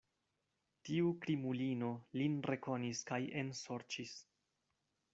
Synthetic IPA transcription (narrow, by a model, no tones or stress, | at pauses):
tiukɾimulino̞linre̞ko̞niskaje̞nso̞ɾt͡ʃis